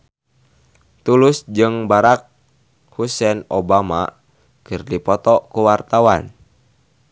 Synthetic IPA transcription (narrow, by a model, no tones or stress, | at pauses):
t̪ulusd͡ʒɨŋbaɾak̚ | husɛnobama̰ | kɨrdipɔt̪ɔkuwart̪awan